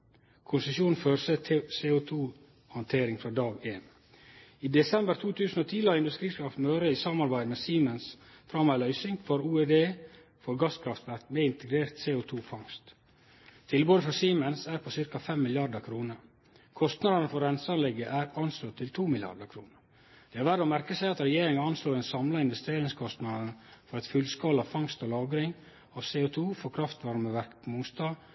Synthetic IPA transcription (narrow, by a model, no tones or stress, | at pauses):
kʰʊnsəsjuːnn̩føːɾsəseːʊt̪ʰuː | hɑnt̪ʰeːɾɪŋfɾɑːd̪ɑːɡeːn | iːd̪ɛsɛmbəɾt̪ʰuːt̪ʰʉːsn̩oːt̪ʰiːləhɑɾɪnd̪ʉst̪ɾiːskɾɑft̪møːɾəiːsɑmɑɾbæɪd̪meːsiːmənsfɾɑmæɪlœʏsɪŋfoːɾuːed̪eː | fɔɾɡɑskʰɾɑft̪ʋæɾt̪meːɪnt̪əɡɾeːɾt̪seːʊt̪ʰuːfɑŋst̪ | t̪ʰɪlboːd̪əfɾɑsiːmənsæːɾpʰosɪɾkɑfɛmːɪlɪɑɾd̪əkʰɾuːnəɾ | kʰɔst̪nɑd̪nəfɔɾːɛnsəɑnlɛɡːəʔæːɾɑnsloːt̪ʰɪlt̪ʰuːmɪlɪɑ̰ɾɖ̪əɾkʰɾuːnəɾ | d̪̥ɛːɑɾʋæɾoːmæɾkəsæɪɑt̪ɾɛjeːɾɪŋɑɑnsloːd̪ɛnsɑmlɑɪnʋɛst̪ɾeːɾɪŋskʰɔst̪nɑd̪ənfɔɾɛt̪fʉlskɑlɑʋfɑŋst̪oːlɑːɡɾɪŋ | ɑːʋseːʊt̪ʰuːfɔkʰɾɑft̪ʋɑɾməʋæɾkpʰmʊŋst̪ɑː